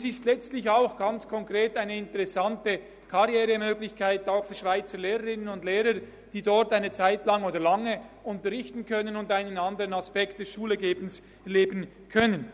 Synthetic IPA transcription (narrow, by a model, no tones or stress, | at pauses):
sɪstlɛt͡stlɪçaʊxɡ̥ant͡skʰɔŋkʁ̥eːtaɪnəɪntəʁɛsantə | kʰaʁjɛːɾəmøːɡlɪçkʰaɪtaʊxfyːɐʃv̥aɪt͡səleːʁəʁɪnənʊndleːɾə | d̥iːdɔɾtaɪnət͡saɪtlaŋoːdɐlaŋəʊntəʁɪçtn̩kʰœnənʊndaɪnənandəʁənaspɛkt̚d̥ɛsʃuːləɡeːbn̩s | ɛleːbən̩ | kʰœnən